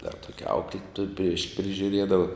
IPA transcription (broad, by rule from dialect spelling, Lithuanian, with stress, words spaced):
dɐr ˈtoːkʲɛ ˈɐʊklʲɪtuɔj pʲrʲiɛʃ pʲrʲɪʒʲʊˈrʲiɛdɐʋɐ